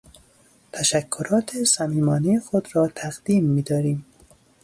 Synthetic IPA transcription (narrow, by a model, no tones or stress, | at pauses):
t̪ʰæʃækʰːoɾɒːt̪ʰesæmiːmɒːnijexod̪ɾɒːt̪ʰæɣd̪iːmːiːd̪ɒːɾiːm